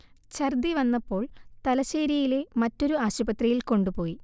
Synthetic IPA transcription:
t͡ɕɐrd̪iʋɐnːɐpːo̞ːɭt̪ɐlɐɕeːɾijile̞mɐtːo̞ɾuaːɕubɐt̪rijilko̞ɳɖupo̞ːji

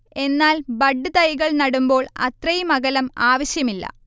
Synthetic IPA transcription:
e̞nːaːlbɐɖːɨt̪ɐjɣɐɭnɐɽumbo̞ːɭɐ̰t̪rɐjimɐɣɐlɐmaːʋɐɕjɐmilːɐ̰

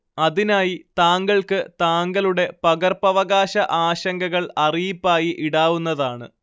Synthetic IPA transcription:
ɐðinaːjit̪aːŋɡɐɭkɨt̪aːŋɡɐluɽe̞pɐɡɐrpɐʋɐɣaːɕɐʔaːɕɐŋɡɐɣɐɭɐrijipːaːjiʔiɽaːʋunːɐðaːɳɨ̰

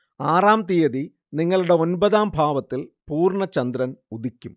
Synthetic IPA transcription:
aːraːmt̪ijɐði | niŋːɐɭuɽe̞o̞nbɐðaːmbʱaːʋɐt̪ːilpuːrɳɐt͡ɕɐnd̪ɾɐnud̪ikʲːum

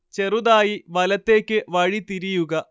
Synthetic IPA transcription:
t͡ɕe̞ruðaːjiʋɐlɐt̪ːe̞ːkʲːɨʋɐɻit̪iɾijuɣɐ

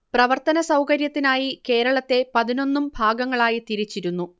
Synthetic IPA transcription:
prɐʋɐrt̪ɐnɐsɐwkɐɾjɐt̪ːinaːjike̞ːɾɐɭɐt̪ːe̞pɐðino̞nːumbʱaːɡɐŋːɐɭaːjit̪iɾit͡ɕːiɾunːu

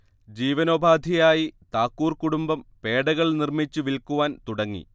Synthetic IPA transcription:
d͡ʑiːʋɐno̞ːbʱaːd̪ʱijaːjit̪aːkːuːrkuɽumbɐmpe̞ːɽɐɣɐɭnirmit͡ɕːuʋilkuʋaːnt̪uɽɐŋːḭ

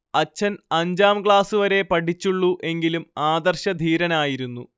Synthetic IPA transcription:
ɐt͡ɕːɐnɐɲd͡ʑaːmkɭaːsuʋɐɾe̞pɐʈʰit͡ɕːuɭːuʔe̞ŋɡilumaːd̪ɐrɕɐd̪ʱiːɾɐnaːjiɾunːu

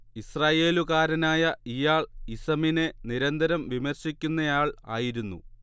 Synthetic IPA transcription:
israːje̞ːluɣaːɾɐnaːjɐijaːɭisɐmine̞niɾɐnd̪ʱɐɾɐmʋimɐrɕikʲːunːɐjaːɭa̰ːjiɾunːṵ

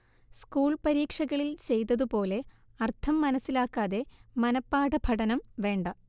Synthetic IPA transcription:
skuːɭpɐɾiːkʂɐɣɐɭilt͡ɕe̞jt̪̬ɐðupo̞ːle̞ | ɐrt̪ʰɐmːɐnɐsːilaːkːaːðe̞mɐnɐpːaːɽɐbʱɐɽɐnɐmʋe̞ːɳɖɐ

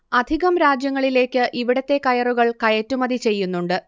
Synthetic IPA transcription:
ɐd̪ʱiɣɐmɾaːd͡ʑjɐŋːɐɭile̞ːkʲːɨʔiʋiɽɐt̪ːe̞kɐjɐruɣɐɭkɐjɐtːumɐd̪ʱit͡ɕe̞jːunːuɳɖɨ

